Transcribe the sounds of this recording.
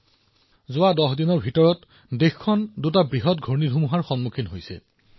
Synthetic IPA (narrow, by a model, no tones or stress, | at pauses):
zʊadɔxdinɔɹbʱitɔɹɔt | dexkʰːɔndutabɹiɦɔt̚ɡʱoɹnidʱumuɦaɹxɔnmukʰinɦojsɛ̰